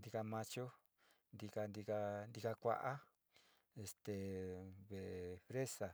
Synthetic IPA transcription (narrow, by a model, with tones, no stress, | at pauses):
nd̪i˧ka˧mã˧t͡ʃo˦ | nd̪i˧ka˧nd̪i˧ka˧nd̪i˧ka˧kʷa̰˧ʔa˦ | e˧st̪e˨βe˨fɾe˦sa˨